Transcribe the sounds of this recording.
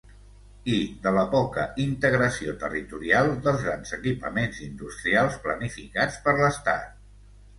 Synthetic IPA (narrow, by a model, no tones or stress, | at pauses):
id̪ələpɔkəint̪əɣɾəsiot̪ə̰rit̪uɾialˠd̪əlˠzɣɾanzəkipə̰menzind̪ust̪ɾialˠsplənifikat͡spəɾləst̪a̰t̪̚